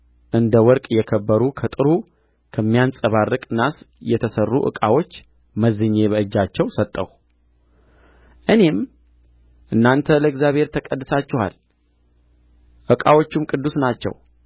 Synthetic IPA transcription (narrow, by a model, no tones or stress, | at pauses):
ʔɨnd̪əwɔɾkʼjɛkʰəbːəɾukʰət̪ʼɨɾu | kʰəmːijansʼəβarːɨkʼnasjɛt̪ʰəsərːṵʔɨ̰kʼawo̞t͡ʃː | məzɨɲːe̞βəʔɨd͡ʒːat͡ʃːɛwsət̪ʼːəw | ʔɨne̞m | ʔɨnːant̪ʰələɪɡzjaβhe̞ɾt̪ʰəkʼəd̪ːɨsat͡ʃːɛha̰l | ʔɨkʼawo̞t͡ʃːumkʼɨd̪ːusnat͡ʃːɛ̰w